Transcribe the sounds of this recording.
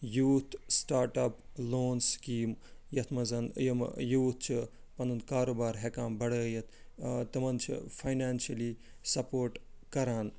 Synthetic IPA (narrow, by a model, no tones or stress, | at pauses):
juːt̪ʰsʈaːɾʈɐploːnskiːmjɐt̪ʰmɐzɐnjɐmjuːt̪̚ʰt͡ʃʰi | pɐnɐnkaːɾoːbaːɾɦekaːmbɐɽəːjɐt̪ʰ | t̪ɐmɐnt͡ʃʰḭfʰajnaːnʃɐli | sɐpoːɾʈkɐɾaːn